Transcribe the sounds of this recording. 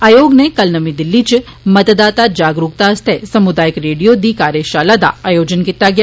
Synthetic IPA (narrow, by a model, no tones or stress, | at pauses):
aːjoːɡnekɐlnɐmĩd̪ɪlːit͡ʃ | mɐt̪d̪aːt̪ad͡ʒaːɡɾuk̚t̪ast̪ʰesɐmʊd̪aːjəkɾeːɖijod̪iːkaːɾjeʃaːlad̪a̰aːjoːd͡ʒənkit̪ːaɡɪja